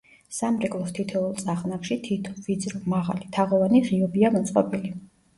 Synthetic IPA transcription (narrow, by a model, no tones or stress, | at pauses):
samɾɛkʼlˠɔst̪ʰit̪ʰɛulˠsʼaχnakʃit̪ʰit̪ʰɔvid̪zɾɔmaʁa̰lit̪ʰaʁɔvaniʁiɔbiamɔt̪sʼqʼɔ̰pʼili